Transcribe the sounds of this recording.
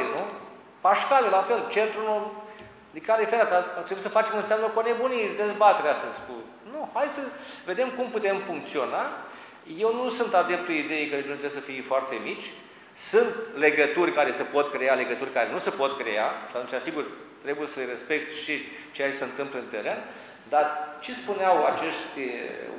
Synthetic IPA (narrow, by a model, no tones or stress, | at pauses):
enu | paʃkalelafe̞lt͡ʃent̪ɾuno | d̪ikalefeɾat̪aat̪ɾebuisəfat͡ʃe̞mɨnseamnəkone̞bunid̪e̞zbat̪e̞ɾeast̪əzʲku | nuhajsəve̞d̪e̞mkumput̪e̞mfuŋk̚t̪sio̞na | je̞wnusunt̪ad̪e̞p̚t̪uid̪e̞jejkəɾeʒont̪ɾesəfijfoart̪e̞mit͡ʃʲ | sɨnt̪le̞ɡət̪urʲkaɾe̞səpo̞t̪kɾeale̞ɡət̪urʲkaɾenusəpo̞t̪kɾeaʃat̪unt͡ʃasiɡurt̪ɾe̞bujesəɾe̞spe̞k̚t̪ʃi | t͡ʃejat͡ʃeseɨnt̪ɨmpləɨnt̪e̞ɾe̞n | d̪art͡ʃespuneawat͡ʃe̞st̪ʲ